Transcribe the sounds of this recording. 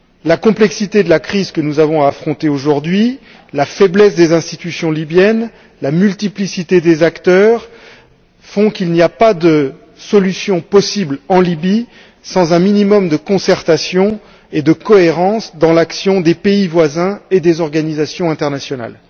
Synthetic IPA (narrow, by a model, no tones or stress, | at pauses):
lakɔ̃plɛksit̪ed̪əlakχizkənuzavɔ̃aːfχɔ̃t̪eoʒuʁd̪ɥi | lafɛblɛsd̪ezɛ̃st̪it̪ysjɔ̃libjɛn | lamylt̪iplisit̪ed̪ezakt̪œːʁ | fɔ̃kilniapad̪ə | sɔlysjɔ̃pɔsiblɑ̃libi | sɑ̃zɛ̃minimɔmd̪əkɔ̃sɛʁt̪asjɔ̃ | ed̪əkɔeʁɑ̃sd̪ɑ̃laksjɔ̃d̪epeivwazɛ̃ed̪ezɔʁɡanizasjɔ̃ɛ̃t̪ɛʁnasjɔna̰l